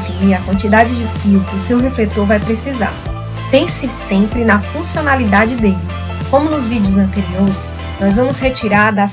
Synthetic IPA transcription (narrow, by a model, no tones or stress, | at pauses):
finiɾɐkwɐ̃nt͡ʃid̪ad͡ʒɪd͡ʒɪfiwkʊʊsewɦeflet̪oɾvajpɾesiza̰ɾ | pẽsɪsẽmpɾɪnɐfũsionalid̪ad͡ʒɪd̪elɪ | kõmʊnʊzvid͡ʒɪʊzɐ̃nt̪eɾioɾɪs | nɔzvɐ̃mʊshet͡ʃiɾaɾd̪ɐs